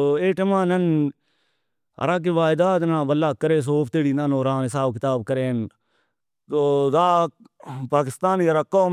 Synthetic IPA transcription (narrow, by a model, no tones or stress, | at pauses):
eːʈəmãːnən | ə̰ɾaːk̬eʋaːɪd̪aːt̪nãːbəlːaːkːəɾeːs̬oːpʰt̪eːɽiːnãnoːɾaːnɦɪsaːbkɪt̪aːb̚kəɾeːn | t̪oːd̪aː | paːkɪst̪aːniəɾaːkoː